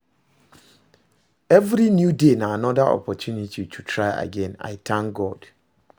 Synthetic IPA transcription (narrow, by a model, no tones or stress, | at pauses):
ɛvɾinjudenãanɔdaʔɔ̰pʰɔtʰjunitʰitʰutʰɹaɪa̰ɡɛ̃na̰jtʰãŋɡɔd̥